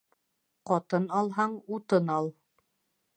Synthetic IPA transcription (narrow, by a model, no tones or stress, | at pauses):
qɑt̪ɤnɑlˠɦɑɴut̪ɤnɑlˠ